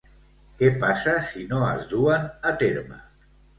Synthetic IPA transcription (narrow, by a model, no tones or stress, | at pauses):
kepasasinoa̰zðuanat̪eɾma̰